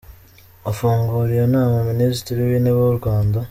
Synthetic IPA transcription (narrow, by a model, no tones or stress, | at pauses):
ofuːŋɡuːɾiɾenamuminisi̥tiɾiβineβoɾuɡaːnda